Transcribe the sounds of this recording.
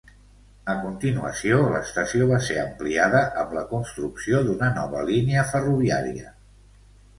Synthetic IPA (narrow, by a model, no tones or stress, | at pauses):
əkunt̪inuə̰sioləst̪əsioβ̞aseəmpliaðəʔəmləkunst̪ɾuksioðunənɔβə̰liniəfəruβia̰ɾiə